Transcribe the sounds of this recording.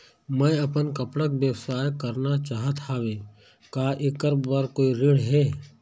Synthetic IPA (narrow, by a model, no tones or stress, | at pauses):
mɛ̃ɐpənkɐpɽəkbjəwsaːjkɐɾnat͡ʃaːɦət̪ʰaːʋeː | kaːʔekːəɾbbɐɾkoːiɾɪɽɦɛː